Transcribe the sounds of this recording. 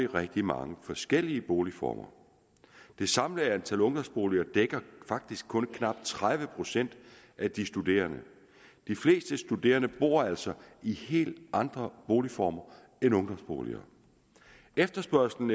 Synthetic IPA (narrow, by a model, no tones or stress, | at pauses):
iʁɛɡ̥̚d̥imɑ̈ŋəfɒ̽sɡ̥el̰iəb̥o̝ːlifɒ̰ːmɐ̰ | d̥e̝sɑ̈mləænt͡sʰælɔ̽ŋd̥ɒ̽msb̥o̝ːliɐd̥eɡ̥ɐfɑ̈ɡ̥̚d̥isɡ̥̚kʰɔ̽nkʰnɑ̈b̥̚t͡sʰʁaðˠʋəpʰʁo̝sen̰d̥ | ʔæd̥isd̥ude̝̰ːɐnə | d̥ifle̝̰ːsd̥əsd̥ud̥e̝̰ːɐnəb̥o̝̰ɐ̰æl̰sɒ̽ihe̝̰ːld̥ʔɑ̈nd̥ʁɐb̥o̝ːlifɒːmɐ | enɔ̽ŋd̥ɒ̽msb̥o̝̰ːlḭɐ̰ | efd̥ɐsb̥ɶɐsl̩n̩